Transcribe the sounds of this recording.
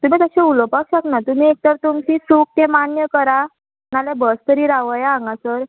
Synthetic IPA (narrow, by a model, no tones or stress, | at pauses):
t̪um̤it̪əɕɛ̃ulɔpakɕaknat̪um̤iek̚t̪əɾt̪umt͡ɕisuk̚t̪emanjəkəɾa | nalebəst̪əɾiːɾaʋəjaãŋɡasəɾ